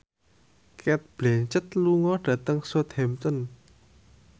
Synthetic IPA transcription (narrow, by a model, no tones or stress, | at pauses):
kɛt̪̚plint͡ɕət̪̚luŋɔdat̪əŋsut̪ʰemt͡sən